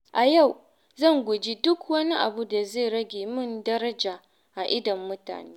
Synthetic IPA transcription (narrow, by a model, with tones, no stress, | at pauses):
ʔa˨ja˦˨w | zɐ˦˨ŋɡʷʊ˨d͡ʒi˦dʊ˦kwɐ˦ni˦ʔa̰˨bu˦da˨zeː˦˨ɽɐ˦ɡʲeː˨mɪ˦˨ndɐ˦ɾɐ˦d͡ʒaː˨ | ʔa˨ʔɪ˦dɐ˨mːʊ˦ta̰ː˨neː˦